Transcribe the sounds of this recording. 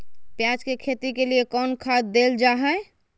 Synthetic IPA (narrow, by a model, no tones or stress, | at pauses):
pjat͡ʃkekʰet̪ikeliekɔnkʰad̪ːeld͡ʒaɦɛ